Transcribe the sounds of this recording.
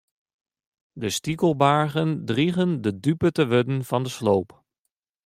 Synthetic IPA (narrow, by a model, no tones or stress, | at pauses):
dəstikəlˠbaːɹχəndriχəndədypətəʋødənvɑndəslowp